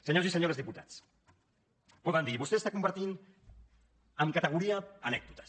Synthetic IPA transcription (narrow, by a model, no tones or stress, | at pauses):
seɲoziseɲoɾezðiput̪at͡s | poðand̪iβust̪est̪akumpaɾt̪in | əmkat̪eɣ̞uɾiaːnɛk̚d̪ut̪ḁ